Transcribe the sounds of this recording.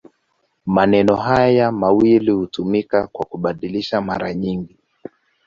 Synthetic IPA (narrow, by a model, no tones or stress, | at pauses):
manɛnɔɦajamawilihutumikakwakuɓaɗiliʃamaɾaɲiŋɡi